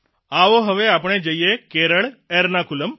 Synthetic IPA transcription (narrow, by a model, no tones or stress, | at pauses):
aʋoɦəʋeap̬ɳ̃ẽd͡ʒəjekeɾəɭeɾnakuləm